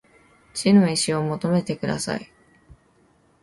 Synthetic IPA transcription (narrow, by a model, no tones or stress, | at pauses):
t͡ɕino̞iɕio̞mo̞t̪o̞me̞t̪e̞kɯ̟d̪a̰sa̰i